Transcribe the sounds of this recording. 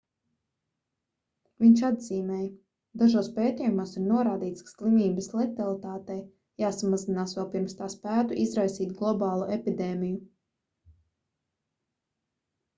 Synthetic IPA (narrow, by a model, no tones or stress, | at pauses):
viɲʲt͡ʃad̪z̥iːmɛːj | d̪aʒoːspeːt̪ijumoːsiɾnuɔɾaːd̪iːt̪skḁslˠimiːbəslˠɛkt̪alˠit̪aːt̪ɛj | jaːsamazinaːsvʋɛlˠpiɾmst̪aːspæːt̪uʔizɾajsiːt̪ɡlˠɔbɑːlˠuʔepid̪eːmiju